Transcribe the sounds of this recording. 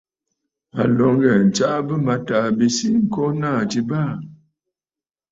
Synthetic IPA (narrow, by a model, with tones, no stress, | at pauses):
a˨lɔ˨˦ŋ˦ɡɛ˨n̩˨t͡ʃa˦bə˦ma˨˦ta˨bi˨si˦ŋ̩˦˨kɔ˦na˦˨ti˨ba˦˨